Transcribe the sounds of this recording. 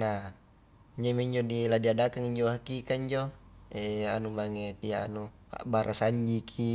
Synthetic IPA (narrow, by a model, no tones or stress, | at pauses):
na | iɲd͡ʒomiɲd͡ʒodiladiadakaŋiɲd͡ʒoɦakikaiɲd͡ʒoɛanumaŋet̪iaanu | a̰baɾʔasaɲd͡ʒikʰi